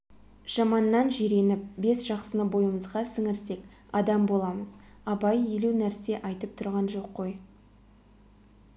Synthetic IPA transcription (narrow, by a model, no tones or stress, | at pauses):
ʒ̥ɑmɑnːɑnʒiɾe̞nɪp̚be̞sʒ̥ɑqsənəbo̞jəməzʁɑsəŋɪɾse̞kɑd̪ɑmbo̞lˠɑməz | ɑbɑjelewnæɾse̞ʔɑjt̪əp̚t̪ʰʊɾʁɑnʒo̞qːo̞j